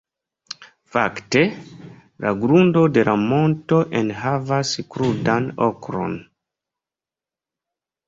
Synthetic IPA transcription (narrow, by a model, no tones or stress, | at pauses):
fa̰kte̞ | laɡɾundo̞de̞lʔamo̞nto̞ʔenɦavaskɾudano̰kɾo̞̰n